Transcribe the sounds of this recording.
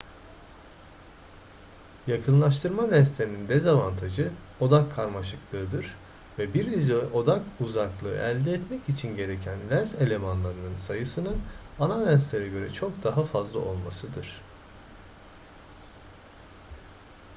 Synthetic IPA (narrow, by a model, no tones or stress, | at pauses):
jakʰɯnlˠaʃ̬t̪ʰɯɾmad̪ʲænslʲeɾinind̪ezavant̪ʰaʒɯ | o̞d̪akʰːaɾmaʃɯklˠɯːd̪ɯɾ̥ | vɛbiɾizʔo̞d̪akuzaklˠɯ̰ːʔælʲd̪ɛːt̪mɛcit͡ʃʰinɟe̞ɾe̞cʰænlʲænse̞lʲe̞manlˠaɾɯnɯnsajɯsɯnɯnanad̪ʲænslʲe̞ɾɛɟø̞ɾɛt͡ʃʰo̞kd̪aɦafazlˠa̰ʔo̞lˠmasɯd̪ɯɾ̥